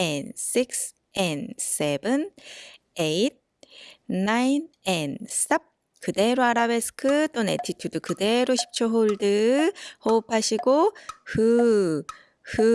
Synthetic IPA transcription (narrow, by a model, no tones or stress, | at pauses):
ensiks | ensebɯn | eit̚ː | ain | enssap̚ | kʰɯd̪eɾoaɾabe̞sɯ̥kʰɯt̪͈onetʰitʰɯdɯkʰɯd̪e̞ɾoɕʰi̥p̚t͡ɕʰoɦoɭdɯhopʰaɕiɡohɯ | hɯ